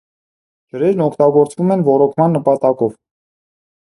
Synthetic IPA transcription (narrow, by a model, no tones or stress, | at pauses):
d͡ʒəɾɛɾnɔkʰt̪ɑɡɔɾt͡svumɛnvɔɾɔkʰmɑnːəpɑt̪ɑkɔv